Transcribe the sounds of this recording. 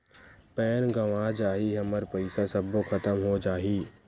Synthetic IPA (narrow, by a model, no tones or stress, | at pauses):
pɛːnɡɐʋad͡ʒaːɦiɦɐməɾpəɪsasɐbːokʰɐt̪əmɦod͡ʒaːɦiː